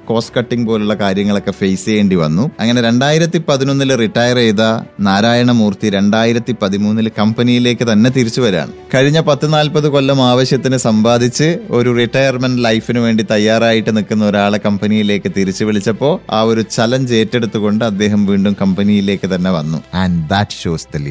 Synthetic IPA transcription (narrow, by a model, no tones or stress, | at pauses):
ko̞ːskɐʈːiŋpoːluɭːɐkaːɾjɐŋːɐɭo̞kːe̞fejsjeːɳɖiʋɐ̰nːuɐŋːɐne̞ɾe̞ɳɖaːjiɾɐt̪ːipɐðino̞nːilriʈːɐjɐrejðɐnaːɾaːjɐɳɐmuːrt̪iɾe̞ɳɖaːjiɾɐt̪ːipɐðimuːnːilkɐmpɐnijile̞ːkːɨt̪ɐnːe̞t̪iɾit͡ɕːuʋɐɾa̰ːɳɨ̰kɐɻiɲːɐpɐt̪ːinaːlpɐðɨko̞lːɐmaːʋɐɕjɐt̪ːinɨsɐmbaːd̪ʱit͡ɕːɨo̞ɾuriʈːɐjɐrmɐnɖlɐjfinɨʋe̞ːɳɖit̪ɐjːaːraːjiʈːɨnikːunːɐo̞ɾaːɭekɐmpɐnijile̞ːkːɨt̪iɾit͡ɕːuʋiɭit͡ɕːɐpːo̞ːa̰ːo̞ɾut͡ɕɐlɐɲd͡ʑe̞ːtːe̞ɽut̪ːuɣo̞ɳɖɨɐd̪ːe̞ːɦɐmʋiːɳɖumkɐmpɐnijile̞ːkːɨt̪ɐnːe̞ʋɐnːṵɐnd̪æʈɕoːst̪ɐli